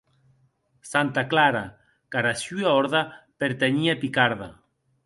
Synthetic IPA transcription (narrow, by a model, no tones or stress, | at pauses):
sant̪aklaɾa | kaɾasyaoɾðapeɾt̪eɲiapikaɾða